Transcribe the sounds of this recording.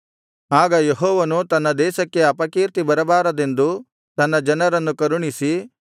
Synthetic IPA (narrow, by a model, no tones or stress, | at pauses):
aːɡɐjeɦɔːʋɐnut̪ɐnːɐd̪ɛːʃɐkːe̞ɐpɐkiːɾt̪ibɐɾɐbaːɾɐd̪e̞nd̪u | t̪ɐnːɐd͡ʒɐnɐɾɐnːukɐɾuɳisi